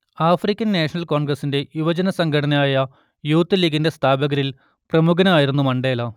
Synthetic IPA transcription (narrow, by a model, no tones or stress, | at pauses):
aːfrikʲːɐnːeːʂɐnɐlkoːɳɡrɐsinde̞uʋɐd͡ʑɐnɐsɐŋɡʰʱɐʈɐnɐaːjɐ | juːt̪ːɐliːɡinde̞st̪ʰaːbɐɣɐɾil | prɐmuɡɐnɐaːjiɾunːumɐɳɖeːlɐ